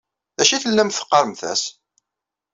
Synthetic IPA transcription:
æʃiθəlːæmθə̥qːəɾˤəmθæ̰s

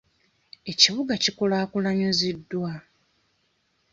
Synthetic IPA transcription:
e̞ciβuɡacikulaːkulaɲuzidːwa

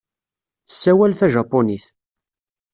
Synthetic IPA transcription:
θəsːæwælθæʒɑpːoniθ

